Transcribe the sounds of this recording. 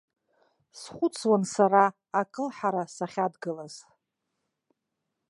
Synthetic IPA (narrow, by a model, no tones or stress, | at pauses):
sχʷʊt͡sʰwansaɾaː | kʼɨlħaɾasaχʲadɡɨlaz̥